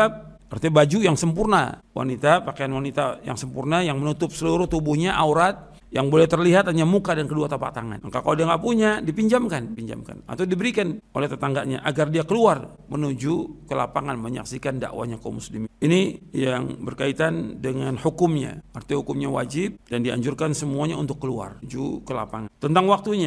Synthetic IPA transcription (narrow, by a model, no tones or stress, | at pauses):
ap̚ | art̪ibad͡ʒujaŋsəmpurna̰wa̰nit̪apakajanwanit̪aja̰ŋsəmpurnajaŋmənut̪ʊp̚səluɾʊht̪ubuhɲaʔauɾat̪̚ | jaŋbolɛht̪ərliɦat̪aɲamukadankəduat̪apa̰ʔt̪aŋa̰nŋkakawdiaŋɡaʔpuɲadipiɲd͡ʒamkandipiɲd͡ʒa̰mka̰na̰t̪awdibəɾikano̰lɛht̪ət̪aŋɡaʔɲa̰ʔaɡardiakəluar | mənud͡ʒukəla̰paŋanməɲa̰ksikanda̰ʔwa̰ɲako̰muslimɪninijaŋbərkait̪andəŋanhukʊmɲa̰art̪ihukʊmɲawa̰d͡ʒɪp̚dandia̰ɲd͡ʒʊrkansəmuaɲaunt̪ʊkːəlua̰rd͡ʒṵkəla̰paŋant̪ənt̪aŋwak̚t̪uɲa